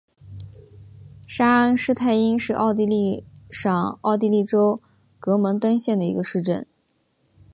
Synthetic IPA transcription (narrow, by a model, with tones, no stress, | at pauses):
ʂa˥nʂɻ̩˥t̪ʰa˥˩ɪi˥nʂɻ̩˥˧ʔɑ̰˥˧ʊt̪̬i˥˧li˥˩ʂɑ˨˩ŋɑ˥˧ʊt̪i˥˧li˥˩ʈ͡ʂo˥ʊ | kɤ˧˥mə˧˥ŋt̪ɤ˥ŋɕjɛ˥˩nd̪ə˩ḭ˧˥ɡə˧ʂɻ̩˥˧ʈ͡ʂə˥˩n